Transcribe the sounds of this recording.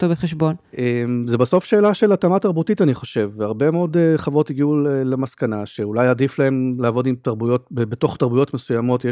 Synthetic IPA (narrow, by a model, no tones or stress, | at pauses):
t̪obeχeʃbo̞nʔemzebaso̞fʃe̞ːlaʃe̞latamataʁbutitaniχo̞ʃe̞vːeaʁbe̞meo̞deχavʁo̞tiɡiulelemaskanaʃe̞ulajadiflae̞mleaːvo̞dimt̪aʁbujo̞t̚bebeto̞χt̪aʁbujo̞tmesujamo̞tje